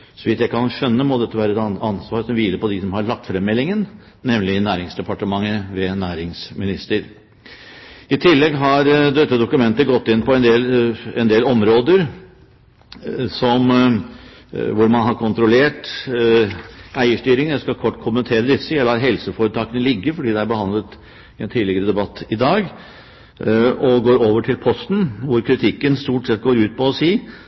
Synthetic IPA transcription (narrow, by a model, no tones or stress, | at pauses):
sɔʋɪt̪jæɪkʰɑnʂœnːəmɔd̪ɛt̪ʰːəʋæːɾəɛt̪ɑnsʋɑːɾsɔmʋiːləɾpɔd̪ɪsɔmhɑɾɭɑk̚t̪fɾɛmːɛlːɪŋən | nɛmlɪnæːɾɪŋsd̪ɛpʰɑʈəmɑŋːəʋɛnæːɾɪŋsmɪnɪst̪əɾ | ɪt̪ʰɪlːɛɡɦɑɾd̪ɛt̪ːəd̪ʊkʉmɛnt̪əɡɔt̪ːɪnpɔɛnd̪eːlɛnd̪eːlɔmɾoːd̪əɾ | sɔm | ʋʊɾmɑnɦɑɾkʰʊnt̪ɾʊleːʈ | æɪəʂʈyːɾɪŋjæɪskɑkʰɔʈːkʰʊmənt̪ʰeːɾəd̪ɪsːəjæɪlɑːɾɦɛlsəfoːɾət̪ʰɑːkənəlɪɡːəfɔɖiːd̪ɛæɾbəhɑnd̪lət̪ | ɛnt̪ʰiːd̪lɪɡəɾəd̪ɛbɑt̪ːɪd̪ɑːɡ | ɔɡoːɾoːʋəʈʰɪlpʰɔst̪n̩ʋʊɾkʰɾɪt̪ʰɪkːənst̪uːʈsɛt̪̚ːɡoːɾʉːt̪̚pɔɔsiː